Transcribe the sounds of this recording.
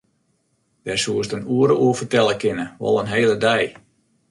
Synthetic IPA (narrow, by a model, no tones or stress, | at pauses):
d̥ɛrsuəstənuəɾəʔuəfərtɛlˠəkɪnəʋɔ̰lˠənɦeːlˠədɛj